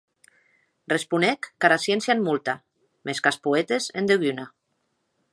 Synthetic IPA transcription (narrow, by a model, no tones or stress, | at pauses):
respunekːaɾasjensjaenmult̪a | meskaspuet̪ezend̪eɣyna